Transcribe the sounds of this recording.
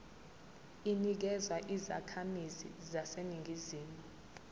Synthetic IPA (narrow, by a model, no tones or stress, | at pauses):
inik̬ɛzwaʔiza̰kʰamizḭzaseniŋʱiziːmu